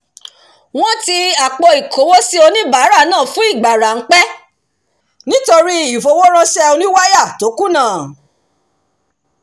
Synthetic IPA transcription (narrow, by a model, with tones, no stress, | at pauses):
w̃ɔ̃˦ti˧a˨k͡pɔ˧i˨ko˨˦wo˦si˦o˧nĩ˦ba˨˦ɾa˦˨nãː˦˨fũ˨˦i˦˨ɡ͡ba˨ɾa˨ŋ̩˦k͡pɛ˦ | nĩ˦to˧ɾi˦i˦˨fo˧wo˦ɾ̃ã˦sɛ˦o˧nĩ˦wa˦ja˦˨to˨˦ku˦nãː˦˨